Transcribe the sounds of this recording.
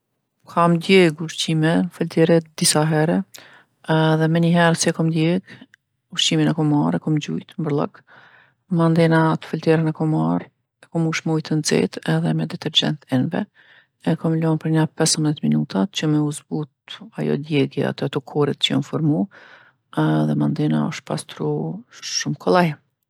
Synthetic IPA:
kʰamd̪jɛɡuʃt͡ɕimɛfəlt̪ɛɾɛd̪isaɦɛɾɛ | ðɛmɛɲəɦɛɾsiɛkɔmd̪jɛɡ | uʃt͡ʃiminɛkɔmaɾɛkɔmd͡ʑṵjt̪mbəɾlˠə̰k | mand̪ɛnat̪ə̥fəlt̪ɛɾɛnɛkɔmaɾ | ɛkɔmuʃmujt̪ənzɛ̰t̪ɛðɛmɛd̪ɛt̪ɛɾd͡ʑɛ̰nt̪ɛnvɛ̰ | ɛkɔmlɔnpəɾɲapɛsəmbðɛt̪minut̪at͡ɕəmɛuzbut̪̚ajɔ̰d̪jɛɡɛa̰t̪ɛat̪ɔkʰɔɾit̪t͡ʃəjɔ̰nfɔɾmu | ðɛmand̪ɛna̰ɔ̰ʃt̪̚pa̰st̪ɾuʃumkʰɔlˠaj

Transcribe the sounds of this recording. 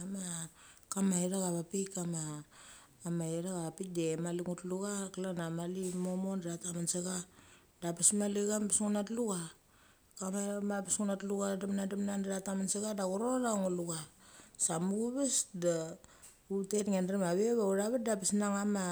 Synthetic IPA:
makamaeɾaɡaβapikamaː | maeɾaɣaβapik̚demaliŋutluɡaklanamalimomondɾatamanseɡa | dapismaliɡampisŋunatluɡa | kamamapisŋunatluɡadamnadamnandɾatamanseɡadaɡuɾoɾaŋuluɡasamuuβesda | utetŋenɾamaβeβauɾaβat̚dapisnaŋama

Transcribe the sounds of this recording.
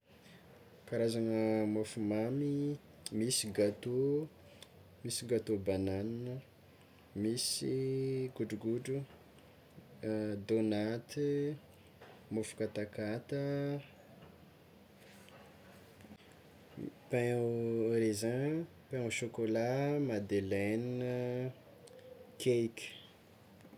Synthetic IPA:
kaɾazanəmofumami | misiɡat̪o | misiɡat̪obananinə | misiɡuɖ͡ʐuɡuɖ͡ʐu | d̪onat̪i | mofu̥kat̪akat̪ə | pẽ | ɾezã | pãʃokolamad̪eleniə | kʰekə̥

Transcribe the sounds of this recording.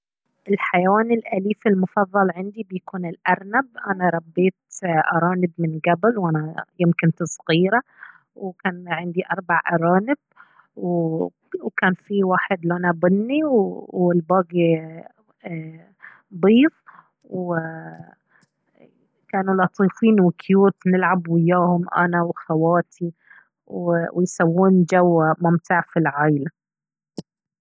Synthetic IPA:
ʔɪlħajawaːnɪlʔaliːfɪlmʊfɑðˤːɑlʕɪnd̪ibjakuːnɪlʔɑɾˤnab̚ʔanaɾˤɑbːeːt̪ʔɑɾˤɑːnɪbmɪnɡabɪlwʔanajɪmkɪnt̪sˤɣiːɾa | wkaːnʕɪnd̪iʔɑɾˤbaʕʔɑɾˤɑːnɪb̥̚ | w | wkaːnfiwaːħɪd̪lʔanabʊnːiwwɪlbaːɡi | bˤiːf | w | kaːnulɑt̪ˤiːfiːnwɪkʰjuːt̪nɪlʕabwɪjːaːhʊmʔa̰nawxawaːt̪ʰi | wwɪjsawːuːnd͡ʒawmʊmt̪ʰaːʕfilʕaːjla

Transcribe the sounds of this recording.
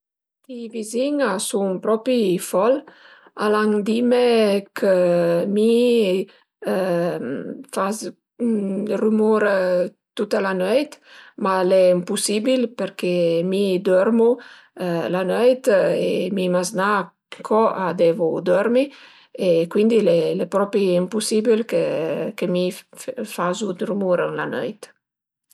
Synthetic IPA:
t̪iviziŋasuŋpɾɔpifɔl | alaŋd̪imekʰəmi | fas | rymuɾ | t̪ut̪alanøjt̪malɛimpusibilpeɾkemid̪ɔɾmu | lanøjt̪ḛmimazna | kʰɔad̪ɛvud̪ɔɾmi | ekwind̪ilelepɾɔpɾiimpusibilkekemifazud̪ɾumuɾla̰nœ̰jt̪

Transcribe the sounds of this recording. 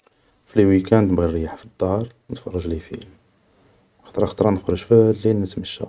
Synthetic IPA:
fliwikænt̪bɣirəjaħfid̪ːɑɾˤnət̪fɑrˤːɑʒlifḭl | xɑ̥t̪ˤɾˤɑxɑt̪ˤɾˤɑnəxɾəʒflinət̪məʃːæ̰

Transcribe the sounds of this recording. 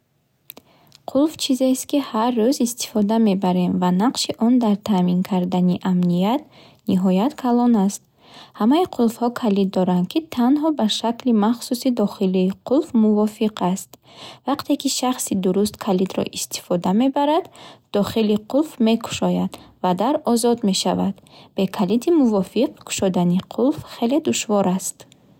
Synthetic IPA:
qʰulft͡ʃʰizest̪̚kiharːuzist̪ʰi̥fɔd̪ame̞baɾe̞mvanaqʃiʔɔnd̪aɾt̪ʰamiŋkʰaɾd̪aniʔamnijat̪ | niɦɔjat̪kʰalɔnast̪̚ | hamaiqʰulˠfhɔkʰalid̪ːɔɾand̪kʰit̪ʰanɦɔbaʃaklimaχsusid̪ɔχiliːqʰulfmuvɔfiqʰast̪ | vaqt̪ʰe̞kiʃaχsid̪uɾust̪kʰalid̪ɾɔ̰ʔist̪i̥fɔd̪ame̞baɾad̪ːɔχiliqʰulfme̞kʰu̥ʃɔjad̪vad̪aɾɔzɔd̪me̞ʃavad̪b̥e̞kʰalit̪ʰimuvɔfiqkʰu̥ʃɔd̪aniqʰulfχe̞le̞d̪uʃvɔɾast̪

